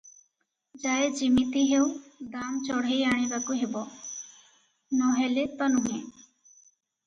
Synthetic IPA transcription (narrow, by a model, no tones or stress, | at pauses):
d͡ʒaːed͡ʒimit̪iɦeud̪aːmt͡ʃɔɽ̤ejaːɽ̃ĩbakuɦebɔ | nɔɦɛlet̪ɔnuɦẽː